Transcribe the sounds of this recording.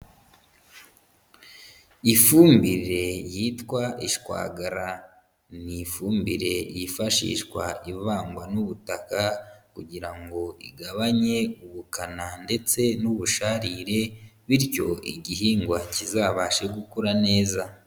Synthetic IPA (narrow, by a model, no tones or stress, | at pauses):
ifuːmbiɾe̞jitkwaʔiʃkwa̰ːɡaɾa | nifuːmbiɾe̞jifaʃḭʃkwa̰ivaːŋɡwanuβutakakuɟiɾaŋɡo̞ḭɡaβaɲe̞uβukanande̞t͡se̞nuβuʃaɾiɾe̞βiɾco̞ʔḭɟiɦiːŋɡwacizaːβaːʃe̞ɡukuɾane̞ːza